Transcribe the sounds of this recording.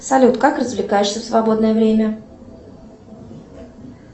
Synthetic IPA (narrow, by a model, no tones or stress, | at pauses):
salʲut̪kakɾɐzʲvʲlʲɪkaːjɪʃsʲɐfsvaboɔd̪nəjɛvɾʲemʲa